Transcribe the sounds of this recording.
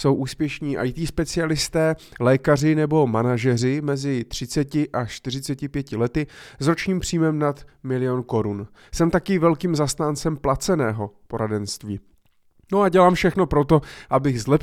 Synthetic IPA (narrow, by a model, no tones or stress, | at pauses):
so̞wʔuːspjɛʃɲiːʔa̰jt̪iːspɛt͡sɪalɪst̪ɛː | lɛːkar̝ɪnɛbo̞manaʒɛr̝ɪmɛzɪt̪r̝̥ɪt͡sɛcɪʔat͡ʃt̪ɪr̝ɪt͡sɛcɪpjɛcɪlɛt̪ɪzɾo̞t͡ʃɲiːmpr̝̥iːmɛmnat̪mɪlɪjo̞nko̞ɾun | sɛmt̪akɪvɛlkiːmzast̪aːnt͡sɛmplat͡sɛnɛːɦo̞po̞ɾadɛnst̪viː | no̞aɟɛlaːmfʃɛxno̞pɾot̪o̞ʔabɪɣzlɛp